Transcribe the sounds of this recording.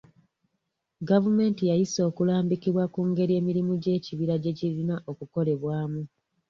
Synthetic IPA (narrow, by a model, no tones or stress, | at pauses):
ɡavume̞ːntijajiso̞ːkulaːmbikiβwakuːŋɡe̞ɾie̞ːmiɾimuɟe̞ːciβiɾaɟe̞ciɾinaʔo̞kuko̞le̞βwaːmu